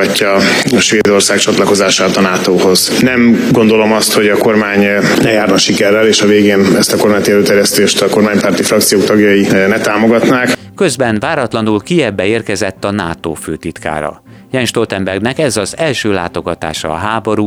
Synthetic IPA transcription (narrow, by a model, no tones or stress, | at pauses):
cːɒ | ʃʋeːd̪o̞rsaːkt͡ʃɒt̪lɒko̞zaːʃaːt̪ɒnaːt̪oːho̞z | nɛmɡo̞nd̪o̞lo̞mɒst̪ho̞ɟɒko̞rmaːɲ | lɛjaːrnɒʃikɛrːɛleːʃɒveːɡeːnɛst̪ɒko̞rmaːɲt̪iɛløːt̪ɛɾjɛst̪eːʃt̪ɒko̞rmaːɲpaːrt̪ifrɒk̚t̪sijoːk̚t̪ɒɡjɒjinɛt̪aːmo̞ɡɒt̪naːk | kø̞zbɛnvaːɾɒt̪lɒnulkijɛbːɛeːrkɛzɛt̪ːɒna̰ːt̪oːføːt̪it̪ka̰ːɾɒ̰ | jɛnʃt̪olt̪ɛmbɛrɡnɛkɛzɒzɛlʃøːla̰ːt̪o̞ɡɒt̪a̰ːʃɒ̰ːɦaːbo̞ɾuː